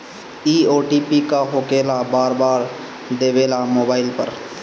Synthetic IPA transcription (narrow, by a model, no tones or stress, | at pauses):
iːoːʈiːpikaɦoːkeːlabaːɾbaːɾ | d̪eːʋeːlamoːbaːɪlpə̰ɾ